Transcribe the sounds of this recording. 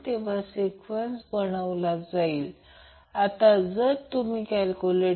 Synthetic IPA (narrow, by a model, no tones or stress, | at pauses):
t̪eʋ̤asekʋensbəɽaʋlad͡zaiːl | at̪ad͡zəɾt̪umiːkælkule